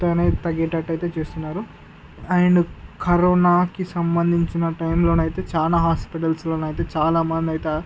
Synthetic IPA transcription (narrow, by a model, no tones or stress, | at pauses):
t̪oneːt̪ɐɡɛːʈɐʈːɐjt̪e̞ːt͡ʃeːst̪unːaːɾu | aːjɐnɐkɐɾoːnaːkisɐmbɐnd̪ʱiɲt͡ʃinɐʈɐjmlo̞ːnɐjt̪e̞ːt͡ʃaːlaːɦaːspiʈ̬ɐlslo̞ːnɐjt̪e̞ːt͡ʃaːlaːmɐnd̪iɐjt̪e